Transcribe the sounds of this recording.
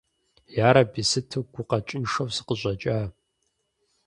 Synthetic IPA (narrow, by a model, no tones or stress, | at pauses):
jaːɾɐbisɨtʰɨɡʷʊqɐt͡ʃʼɪnʂɐwsɨ̥qəʑʷʼɐt͡ʃʼaː